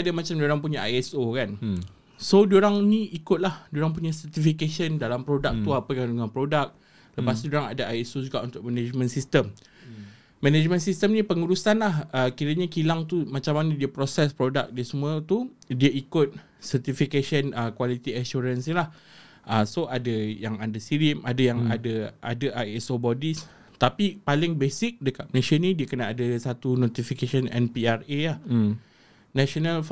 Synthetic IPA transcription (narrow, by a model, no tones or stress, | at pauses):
adamat͡ʃamdoɾaŋpuɲaʔajɛsokan | sodoɾaŋnĩikʊt̪̚lahdoɾaŋpuɲasərt̪ifikeʃəndalampɾodak̚t̪uapəkaŋduŋaŋpɾodak̚ | ləpast̪udoɾaŋa̰daʔajɛsod͡ʒuɡaʔunt̪ʊk̚mɛned͡ʒmə̃nsist̪əm | mɛ̃ned͡ʒmə̃nsist̪əmnĩpəŋuɾusanlahəkiɾəɲakilaŋt̪umãt͡ʃamanadiəpɾosɛspɾodak̚diəsəmuə̃t̪udiaikʊt̪̚ | sərt̪ifikeʃənəkwalit̪iaʃuɾansɲilah | ʔəsoʔadajaŋadasiɾimadajaŋa̰dəʔa̰daʔaɛsobɔdis | t̪apipalɪŋbesɪk̚dəkat̪̚mnẽʃənĩdiəkənaʔadəsat̪unot̪ifikeʃənɛ̰npiarelah | naʃonal